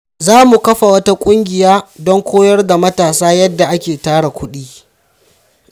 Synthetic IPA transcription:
zaː˦mu˨kɐ˦ɸa˨wɐ˦ta˦kʷʼʊ˦ŋɡʲɪ˨jaː˦dɔ˦ŋkʷoː˦jɐ˦rda˨mɐ˦taː˨saː˦jɐ˦dːa˨ʔa˦kʲeː˨taː˦ɽa˨kʷʊ˦ɗiː˦

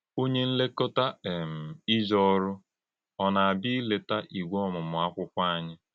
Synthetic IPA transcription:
o˦ɲe˦n̩˦le˦ko˦ta˦e˨m̩˨i˦d͡ʒɔ˦ɾʊ˦ | ɔ˨na˨a˨bi˦le˨ta˦ʔi˨ɡʷo˦ɔ˦˨mʊ˨mʊ˨a˦kʷʊ˦kʷa˦a˨ɲɪ˦

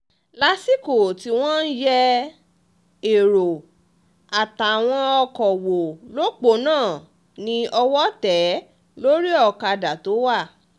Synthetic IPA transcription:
la˦si˦ko˨ti˧w̃ɔ̃˦n̩˦jɛ˧ | e˨ɾo˨ | a˨ta˨a˨w̃ɔ̃˧ɔ˧kɔ˨wo˨lo˦k͡po˨˦nãː˦˨ | nĩ˧ʔɔ˧wɔ˦tɛ˨˦ | lo˦ɾi˦ɔ˦˨ka˧da˨to˨˦wa˦˨

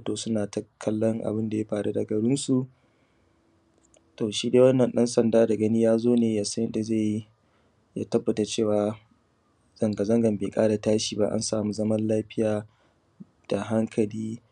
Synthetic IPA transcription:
toː˨sʊ˦naː˨tɐ˦kʰːɐ˦lːɔ˦ŋʔa̰˨bɪ˦nda˨ja˦ɸaː˨ɽu˦da˨ɡɐ˨ɽɪ˦nsu˨ʔ | toː˨ʃiː˦deː˦wɐ˦nːɐ˨nɗɛ˦nsɐ˨ndaː˦da˨ɡɐ˦niː˦jaː˦zoː˦neː˨ja˨sɐ˦jɪ˦da˨ze˦˨ji˦ | ja̰˦tɐ˦bːɐ˨ta˨t͡ʃeː˦˨waː˨ | z̥ɐ˨ŋɡɐ˨zɐ˦ŋɡɐ˨mbeː˨kʼaː˦da˨taː˦ʃiː˨ba̰˦ʔa̰˦nsaː˨mu˦zɐ˦mɐ˦nlaː˦ɸɪ˦jaː˨ | d̥a˨ɦa˦ŋkʰɐ˨liː˦

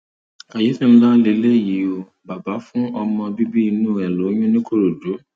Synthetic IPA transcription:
a˨je˨˦sĩ˦˨m̩̃˦la˦le˨˧˦le˦˨ji˨˦o˧ | ba˨ba˨˦fũ˦ɔ˧mɔ̃˧bi˦bi˦i˧nũ˦˨ɛ˨lo˨˦j̃ũ˦nĩ˦ko˦ɾo˨do˨˦

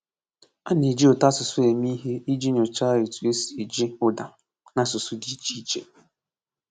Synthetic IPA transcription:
a˦ni˨d͡ʒi˦o˨ta˦sʊ˨sʊ˦e˨mi˦ɦe˦i˦d͡ʒi˦ɲo˨t͡ʃa˦e˨tu˨˦e˦si˨d͡ʒi˦ʊ˦da˨ | na˨sʊ˨sʊ˦di˨˦t͡ʃi˦i˦t͡ʃḛ˦˨

